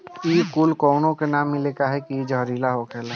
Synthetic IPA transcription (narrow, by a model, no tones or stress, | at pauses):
ikulkɔːnõkenaːmːɪleːkaɦɛkied͡ʒəɦɾiːlaɦokʰɛːla